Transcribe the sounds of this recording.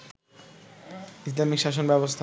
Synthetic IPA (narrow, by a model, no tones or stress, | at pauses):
is̬lamikʃaʃ̬onbɛbost̪ʰa